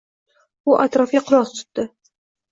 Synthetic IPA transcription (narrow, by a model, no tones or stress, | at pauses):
ʊʔat̪ɾɒfʲaqʰʊɾɒqt̪ʰʊ̥t̪ːɪ